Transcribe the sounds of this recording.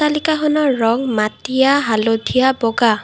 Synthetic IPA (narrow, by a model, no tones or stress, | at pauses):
alikaxɔnɔːɔŋmatijaɦalodʱijabɔɡa